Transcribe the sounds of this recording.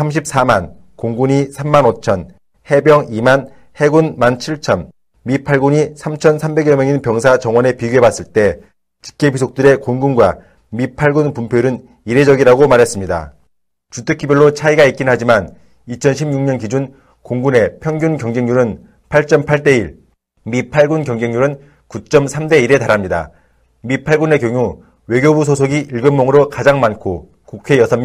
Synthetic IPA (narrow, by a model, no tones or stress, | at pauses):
sʰamɕ̬ʰip̚s͈aman | koŋɡuɲisʰamːanot͡ɕʰʌn | he̞bjʌŋiman | he̞ɡunmant͡ɕʰiɭt͡ɕʰʌn | mipʰaɭɡuɲisʰamt͡ɕʰʌnsʰambe̞ɡjʌmjʌŋinpjʌŋsʰat͡ɕʌŋwʌne̞piɡiebas͈ɯɭt͈e̞ | t͡ɕi̥k͈episʰok̚t͈ɯɾe̞koŋɡunɡwa | mipʰaɭɡunpumpʰjoɾɯn | iɾe̞d͡ʑʌɡiɾaɡomaɾɦe̞s͈ɯmɲida̰ | t͡ɕutʰɯkʰːibjʌɭːot͡ɕʰaiɡaik͈̚inɦad͡ʑiman | it͡ɕʰʌnɕʰimɲuŋɲʌnkid͡ʑun | koŋɡune̞pʰjʌŋɡunkjʌŋd͡ʑe̞ŋɲuɾɯn | pʰaɭt͡ɕ͈ʌmpʰaɭt͈e̞iɭ | mipʰaɭɡunkjʌŋd͡ʑe̞ŋɲuɾɯn | kut͡ɕ͈ʌmsʰamde̞iɾe̞taɾɦamɲida̰ | mipʰaɭɡune̞kjʌŋu | we̞ɡjobus̬ʰosʰoɡiiɭɡɯmmoŋɯɾokad͡ʑaŋmankʰo | kukʰe̞jʌsʰʌm